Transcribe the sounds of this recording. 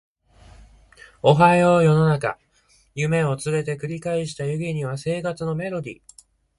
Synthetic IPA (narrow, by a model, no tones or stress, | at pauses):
o̞ɦaoːjo̞no̞naka̰ | jɯ̟me̞o̞t͡sɨɾe̞t̪e̞kɯ̟ɾʲikaiɕi̥t̪ajɯ̟ɡʲiɲ̟iβase̞ːkat͡sɨno̞me̞ɾo̞d̪ʲḭ